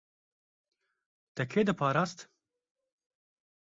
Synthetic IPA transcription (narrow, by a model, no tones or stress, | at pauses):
t̪ɛkʰeːd̪ɨpʰaːɾaːst̪